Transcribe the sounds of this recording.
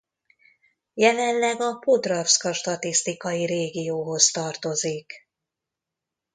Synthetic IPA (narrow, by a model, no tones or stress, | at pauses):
jɛlɛnlɛɡɒpod̪rɒfskɒʃt̪ɒt̪ist̪ikɒjiɾeːɡijoːɦo̞st̪ɒrt̪o̞zik